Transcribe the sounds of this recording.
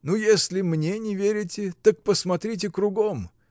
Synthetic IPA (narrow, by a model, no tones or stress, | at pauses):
nujesʲlʲɪmnʲenʲɪvʲeɾʲɪtʲɪt̪ək̚pəsmɐt̪ɾʲit̬ʲɪkɾʊɡom